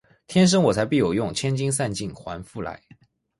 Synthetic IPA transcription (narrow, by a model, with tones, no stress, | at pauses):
t̪ʰjɛ˥nʂ̬ə˥ŋwɔ˨˩t͡sʰa˧˥ɪpi˥˩jo˨˩ʊjʊ˥˩ŋt͡ɕʰjɛ˥nt͡ɕi˥ŋs̬a˥˧nt͡ɕi˥˩ŋxwa˧˥nfu˥˩la̰˧˥ɪ